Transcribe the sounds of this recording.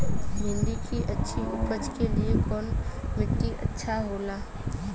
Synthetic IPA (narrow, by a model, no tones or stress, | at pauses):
ɦɪ̃nd̪ikiʔɐtːʃʰiʔʊpəd͡ʒkeliekɔːnmɪʈ̪ːiʔɐ̰tːʃʰaɦoːlaː